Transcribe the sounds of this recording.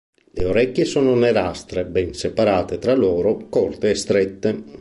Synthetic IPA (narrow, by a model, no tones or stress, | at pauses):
leoɾɛkːjesɔːnoneɾast̪ɾebɛnsepaɾaːt̪et̪ɾalɔːɾokɔrt̪eːst̪ɾɛt̪ːe